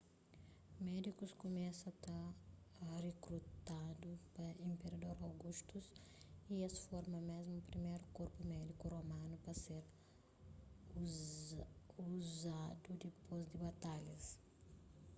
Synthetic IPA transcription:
mɛd̪ikuskomɛsɐt̪ɐ | rekɾut̪ad̪upɐĩmpeɾɐd̪oɾawɡuʃt̪us | iesfɔɾmɐmezmʊːpɾimejɾʊkoɾpumɛd̪ikuromɐ̃nʊpɾɐseɾ | uzad̪ud̪ɪpozd̪ɪbat̪alɐs

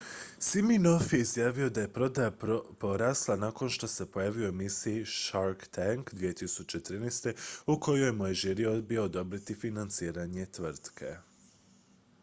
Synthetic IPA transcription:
simino̞fje̞izjaːʋio̞d̪aje̞pɾo̞d̪ajapo̞ɾaːslˠanako̞nʃt̪o̞se̞po̞jaːʋijoemisijiʃaɾkt̪ʰaŋkd̪ʋije̞t̪isut͡ʃe̞t̪ɾinest̪e̞uko̞jo̞jmojeʒiɾiod̪biood̪o̞bɾit̪ifinant̪siːɾaɲe̞t̪ʋr̩t̪kʰe̞̰

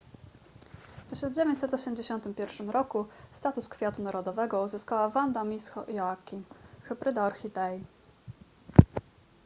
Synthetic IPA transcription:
ft̪ɘɕɔnd͡ʑevʲeɲt͡ɕʲsɛt̪ɔɕɛmd͡ʑeɕɔnt̪ɘmpʲjɛɾfʂɘmɾɔkust̪at̪uskfʲjat̪unaɾɔd̪ɔvɛɡɔuzɘskawavand̪amʲisxɔ̰ʔjɔakʲimxɘbɾɘd̪ɔɾxʲid̪ɛj

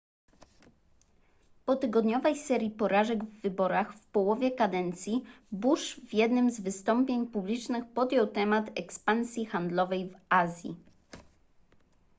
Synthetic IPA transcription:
pɔt̪ɘɡɔd̪ɲɔvɛjsɛɾʲjipɔɾaʐɛɡvːɘbɔɾaxfpɔwɔvʲjɛkad̪ɛnt̪sʲji | buʂvjɛd̪nɘmzvɘst̪ɔmpʲjeɲpublʲit͡ʂnɘxpɔd̪jɔwt̪ɛmat̪ɛkspansʲjixand̪lɔvɛjvazʲjḭ

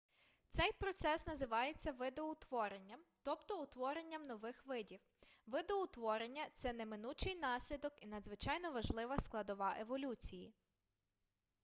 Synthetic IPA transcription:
t̪sɛjpɾɔt̪sɛsnɐzɪʋɑjet͡sʲːɐʋɪd̪ɔʊt̪ʋɔɾenʲːɐmt̪ɔpt̪ɔʊt̪ʋɔɾenʲːɐmnɔʋɪxʋɪdʲiw | ʋɪd̪ɔʊt̪ʋɔɾenʲːɐt̪sɛnemɪnut͡ʃɪjnɑsʲlʲid̪ɔkinɐd̪zʋɪt͡ʃɑjnɔʋɐʒlˠɪʋɐsklˠɐd̪ɔʋɑʔeʋɔlʲut͡sʲiji

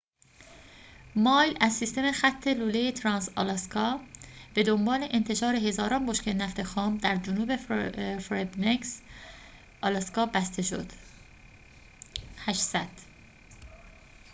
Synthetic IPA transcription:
mɒːjlæzːist̪e̞mexæt̪ʰːeluːlejet̪ʰɾɒːnsɑ̰lɑskʰɒːb̥e̞d̪o̞mbɒːle̞ʔent̪ʰe̞ʃɒːɾe̞ɦe̞zɒːɾɒːnboʃkenæft̪ʰe̞xɒːmd̪æɾd͡ʒonuːbefɾebneks | ɒlɑskɒːbæst̪e̞ʃo̰d̪̥ | hæʃsæd̪̥

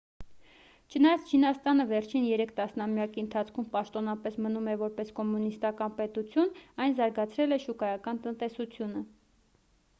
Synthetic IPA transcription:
t͡ʃʰənɑjɑt͡sʰt͡ʃʰinɑst̪ɑnəvɛɾt͡ʃʰinjɛɾɛkʰt̪ɑsnɑmjɑkiənt̪ʰɑt͡sʰkʰumpɑʃt̪ɔnɑpɛsmənumɛvɔɾpɛskɔmunist̪ɑkɑnpɛt̪ut͡sʰjunɑjnzɑɾɡɑt͡sʰɾɛlɛʃukɑjɑkɑnt̪ənt̪ɛsut͡sʰjunə

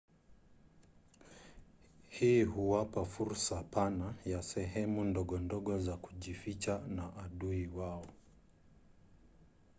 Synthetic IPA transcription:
hiːhuwapafuɾsapanajasɛɦɛmundɔɠɔndɔɠɔzakuʄifit͡ʃanaʔːɗuiwaɔ

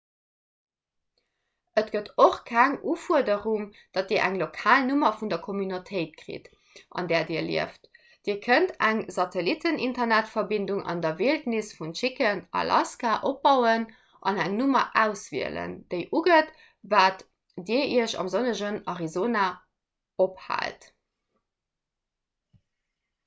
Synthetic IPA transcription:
ətɡ̥ətoχkʰæŋuːfuɐdəʁuŋ | d̥ɑt̚d̥iːɐʔæ̰ŋlokʰaːlnumɐfundɐkʰomynotʰəɪt̚kʁḭt | ʔɑ̰ndɛːɐdiːɐlḭəft | d̥iːɐkʰəntæŋzɑtʰelitʰənintɐnætfɐbinduŋʔɑ̰ndɐveːltnisfunʃikənɑ̰lʔɑ̰skaʔop̚bɑʊən | ʔɑnæŋnumɐ̰ʔæʊsvḭələ̰nd̥əɪʔuɡət | vaːt | diəʔiəɕɑ̰mzonəʒənɑʁizoːna | opha̰ːlt

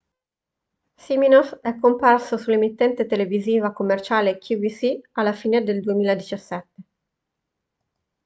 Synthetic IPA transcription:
siminosɛkːomparsosulːemit̪ːɛnt̪et̪eleviziːvakomːert͡ʃaːlekʰjuvisialːafiːned̪eld̪uemiːlaed̪it͡ʃasːɛt̪ːe

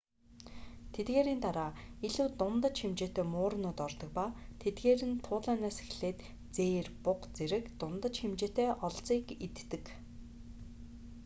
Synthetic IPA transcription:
t̪ʰet̪ɡeːɾint̪aɾaːiɮuːt̪ʊnt̪ə̆t͡ɕximt͡ɕeːt̪eːmʊːɾ̆nʊːt̪ɔrt̪ɞ̆k̚paːt̪ʰet̪ɡeːɾɘ̆nt̪ʰʊːɮæːnaːse̥xɮeːt̪ | t͡seːrpʊqt͡seɾɘ̆kt̪ʊnt̪ə̆t͡ɕxɪmt͡ɕeːt̪eːʔɔɮt͡siːkit̪ːɘ̆k

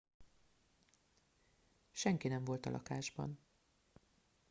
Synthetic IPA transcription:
ʃɛŋkinɛɱvo̞lt̪ɒlʔɒ̰kaːʒbɒ̰n

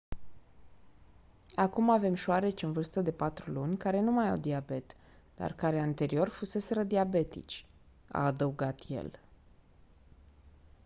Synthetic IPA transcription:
akumave̞mʃoaɾe̞t͡ʃʲɨnvɨrst̪əd̪e̞pat̪ɾulunʲkaɾe̞numajawd̪iabe̞t̪ | d̪̥a̰rkaɾeant̪e̞ɾio̞rfuse̞se̞ɾəd̪iabe̞t̪ḭt͡ʃʲ | a̰ːd̪əuɡat̪je̞̰l

